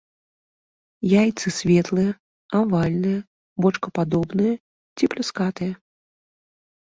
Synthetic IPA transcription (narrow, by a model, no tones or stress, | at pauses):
jajt̪sɨsʲvʲɛt̪lˠɨjɐ | avalʲnɨjɐ | bɔt͡ʂkɐpad̪ɔbnɨjɐ | t͡sʲiplʲuskat̪ɨjɐ